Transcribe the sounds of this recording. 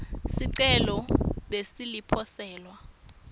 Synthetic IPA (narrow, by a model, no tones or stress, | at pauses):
siǀɛlɔɓesilipʰɔsɛːlwa